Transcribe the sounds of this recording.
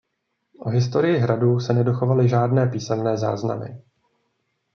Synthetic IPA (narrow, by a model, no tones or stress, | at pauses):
ʔoɦɪst̪o̞ɾɪjɪɦɾadusɛnɛdo̞xo̞valɪʒaːdnɛːpiːsɛmnɛːza̰ːzna̰mɪ̰